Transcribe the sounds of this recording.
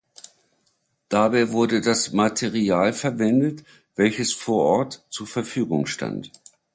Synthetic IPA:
d̥abaɪvʊɐdədasmatʰeʁiaːlfɛɐvɛndət | v̥ɛlçəsfoːɐʔɔɐtt͡suːɐfɛɐfyːɡʊŋʃta̰nt

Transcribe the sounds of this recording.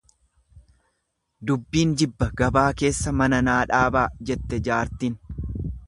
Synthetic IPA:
d̪ʊbːiːnd͡ʒɪbːɐɡɐbaːke̞ːsːɐmɐnɐnaːᶑaːbaːd͡ʒɛt̪ːɛd͡ʒaːɾt̪iːn

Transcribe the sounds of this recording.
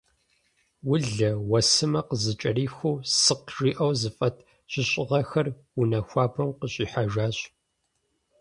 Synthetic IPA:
wʊɮɐwɐsɨmɐqəzɨt͡ʃʼɐriːxʷuːsɨqʒiːʔɐwzɨfʼɐtʰ | ɕɪɕʼɪʁɐxɐr | wʊnɐxʷaːbɐmqəɕʼiːħaʒaːɕ

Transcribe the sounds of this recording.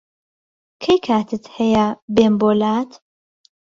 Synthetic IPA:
kʰɐjkʰaːt̪ʰɨt̪hɛjabeːmboːlaːt̪

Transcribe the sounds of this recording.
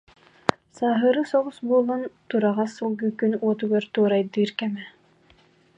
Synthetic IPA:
saːɦɯɾɯsɔʁusbuɔlˠant̪uɾaʁasulˠɡykynuɔt̪uɡaɾt̪uːɾajd̪iːɾkɛmɛ

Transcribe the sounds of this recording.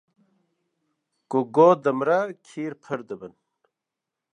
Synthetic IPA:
koɡoːd̪ɐmɾakʰiːɾpʰɐɾd̪ɐbɐn

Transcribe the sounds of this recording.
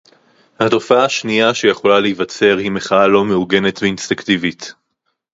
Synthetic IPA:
hato̞faaaʃniaʃe̞jeχo̞laleivat͡se̞ʁhimeχaalo̞meuɡe̞ne̞tveinst̪iŋktivit

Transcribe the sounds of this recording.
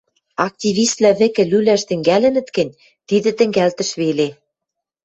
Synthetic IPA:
ɑk̚t̪ʲiβist̪læβɘ̆kɘ̆lylæʃt̪ɘ̆ŋɡælɘ̆nɘ̆t̪kɘ̆nʲ | t̪id̪ɘ̆t̪ɘ̆ŋɡælt̪ɘ̆ʃβele

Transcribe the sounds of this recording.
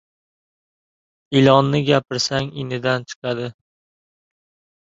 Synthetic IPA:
ɪlɒnːɪɡʲapʰɪɾsaŋɪnɪd̪ant͡ʃʰɨ̥qɑd̪ɪ

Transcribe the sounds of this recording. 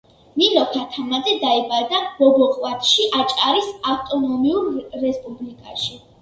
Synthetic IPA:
minɔkʰat̪ʰamad̪zɛd̪aibaɾd̪abɔbɔqʼwat̪ʰʼʃiʔat͡ʃʼaɾisaft̪ʼɔnɔmiuɾːɛspʼublikʼa̰ʃi

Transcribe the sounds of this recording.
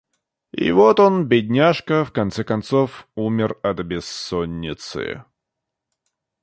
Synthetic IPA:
iɪ̰vot̪onbʲɪdʲnʲaʂkəfkɐnt̪sɛkɐnt̪sofumʲɪrɐt̪bʲɪsːonʲːɪt̪sɨ̰

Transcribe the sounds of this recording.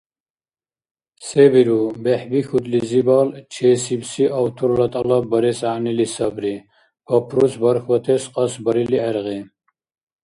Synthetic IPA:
sebiɾubɛħbixut̪lizibɑːlt͡ʃʰeːsibsiʔɐwt̪ʰuɾlɐt̪ʼɑlɑbɐɾɛsaːnilisɐbɾi | b̥ɐpʰɾusbɐɾxwɐt̪ʰɛsqʼɑsbɐɾiliɛɾʁi

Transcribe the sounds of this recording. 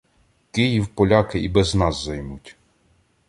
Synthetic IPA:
kɪjiwpɔlʲɑkɪibɛznɑzːɐjmutʲ

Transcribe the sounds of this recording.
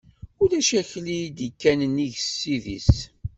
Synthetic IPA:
ʊɾæʃæçlid̪ikːænəniʝsːiðḭs

